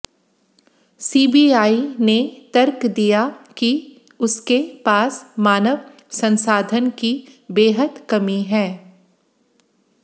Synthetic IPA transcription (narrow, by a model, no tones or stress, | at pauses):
siːbiaːinet̪əɾkd̪ijaki | ʊskepaːsmaːnəʋ | sɐ̃nsaːd̪ʱənkibeːɦəd̪kɐmiɦɛ̃ː